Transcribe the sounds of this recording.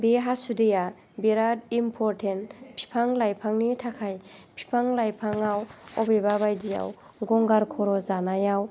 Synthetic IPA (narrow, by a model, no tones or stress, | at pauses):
beɦasudeja | beɾad̚impʰɔɾtʰenpʰi̥pʰaŋlajpʰaŋnitʰakʰajpʰi̥pʰaŋlajpʰaŋawɔbeβabajdija̰w | ɡɔŋɡaɾkʰɔɾɔzanajaw